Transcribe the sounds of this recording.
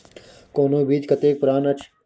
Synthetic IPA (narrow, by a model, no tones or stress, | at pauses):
koːnoːbiːd͡ʒ̪kɐt̪eːk̚pʊɾaːnɐt͡ʃʰ